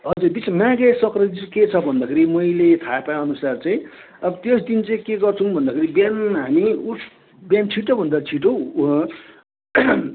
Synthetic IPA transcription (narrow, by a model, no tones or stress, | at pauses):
ɦʌd͡zurbit͡smaɡesʌkrʌd͡ziket͡sʰʌbʱʌnd̪akʰeɾimʌjlet̪ʰapaʌnusart͡saĩ | ʌbʌt̪josd̪int͡saĩkeɡʌrt͡sʰunbʱʌnd̪akʰeɾibjanɦamiusʰ | bjant͡sʰiʈobʱʌnd̪at͡sʰiʈo